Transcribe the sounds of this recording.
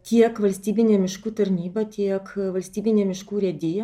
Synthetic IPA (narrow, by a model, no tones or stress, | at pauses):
t̪ʲiɛkʋɐlʲsʲt̪ʲiːbʲɪnʲeːmʲɪʃkuːt̪ɐɾʲnʲiːbɐt̪ʲiɛkʋɐlʲsʲt̪ʲiːbʲɪnʲeːmʲɪʃkuːɾʲɛd̪ʲɪjɛ